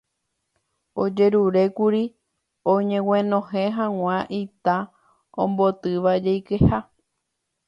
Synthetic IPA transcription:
od͡ʒe̞ɾuɾe̞kuɾi | õɲẽ̞w̃ẽnõ̞ɦẽɦãw̃ãʔit̪a | õmbo̞t̪ɨʋad͡ʒejkeha

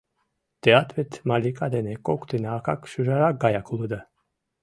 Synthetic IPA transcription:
t̪ɛat̪ʰvɛt̪ʰmalikʼad̪ɛnɛkʼɔkʰʼt̪ʰinaːkʰakʃuʒaɾaɡajakʰulˠɨd̪ə

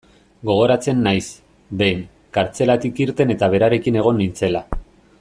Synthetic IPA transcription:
ɡo̞ɣ̞o̞ɾat͡se̞nːajs | b̪e̞jŋ | kaɾt͡se̞lat̪ikiɾt̪e̞ne̞t̪aβ̞e̞ɾaɾe̞kine̞ɣ̞o̞nːint͡se̞la

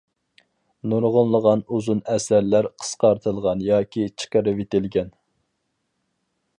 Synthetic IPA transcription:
nuɾʁʊnlˠəʁɑnuzunɛsæɾlæɾqʰə̥sqɑɾt̪ʰɨlˠʁɑnjɑːkʲit͡ʃʰə̥qəɾɨvet̪ɪlɡʲɛn

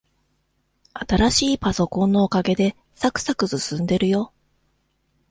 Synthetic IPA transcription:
at̪aɾaɕiːpaso̞kõ̞nːo̞ːkaɡe̞d̪e̞ | sakɯ̟̥sakɯ̟sɨsɨ̃nd̪e̞ɾɯ̟jo̞

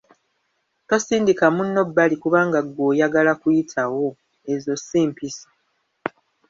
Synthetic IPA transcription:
to̞siːndikamunːo̞bːalikuβaːŋɡaɡːo̞ːjaɡalakujitʰawo̞ | ezo̞siːmpiso̥

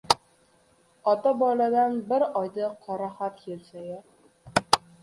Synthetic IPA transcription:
ɒt̪abɒlad̪anbɪɾɒjd̪aqʰɒɾahat̪kelsajɪ

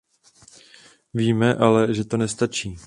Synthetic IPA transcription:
viːmɛʔalɛʒɛt̪o̞nɛst̪at͡ʃiː

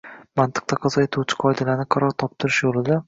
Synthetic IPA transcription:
mant̪ʰɨ̥q̚t̪ʰaqʰɨzaet̪ʰuwt͡ʃʰɪ̥qʰɒjd̪alanɪqʰɑɾɒɾt̪ʰɒp̚t̪ʰʊɾɪʃjolˠɪd̪a

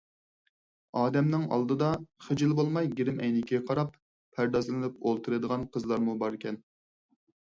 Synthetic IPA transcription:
ɑːd̪ɛmnɪŋɑ̰lˠd̪ɨd̪ɑχɪd͡ʒɪlˠbolˠmɑjɡʲiɾɪmɛjnɪkʲʰiɛqʰɑɾɑpʰː | æɾd̪ɑzɨlɨnɨpolˠt̪ʰɨɾɨd̪əʁɑnqʰəzlˠɑɾmubɑɾɪkʲɛn

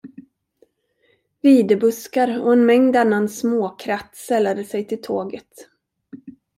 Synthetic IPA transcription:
viːd̪ɛbɵskaɾɔɛnmɛŋd̪anːansmoːkʰɾat̪ːsɛlːad̪əsɛjt̪ʰɪlt̪ʰoːɡət̪

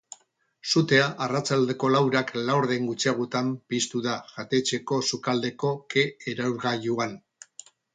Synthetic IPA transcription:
sut̪e̞aʔarat͡sald̪e̞ko̞lawɾaklawɾðe̞ŋɡut͡siaɣ̞ut̪ampist̪uðaʝat̪e̞t͡ʃe̞ko̞sukald̪e̞ko̞ke̞ːɾawɾɣajuan

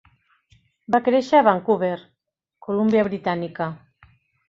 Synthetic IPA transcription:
bakɾeʃaaβaŋkuβeɾ | kolumbjaβɾit̪anika

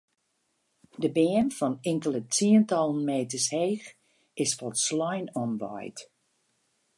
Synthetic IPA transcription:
dəbɛənfɔnɪŋkələtiəntɔlˠən̩meːtəsheːx | ɪsfɔtslɔjnɔnʋɔ̰jt

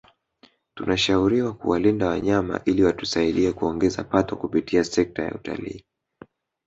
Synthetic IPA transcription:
tunaʃauɾiwakṵwalindawaɲama̰ʔiliwatu̥saiɗiɛkuɔŋɡɛza̰patɔkupitʰiasɛk̚taja̰uta̰lḭː

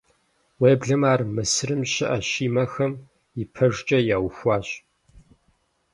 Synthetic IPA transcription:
weːbɮɐmaːrmɨsɨrɨmɕɪʔɐɕiːmɐxɐm | ɪpʰɐʐt͡ʃʼɐjaːwxʷɑːɕ

